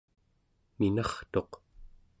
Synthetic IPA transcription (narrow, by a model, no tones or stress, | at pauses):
minɑχt̪o̞q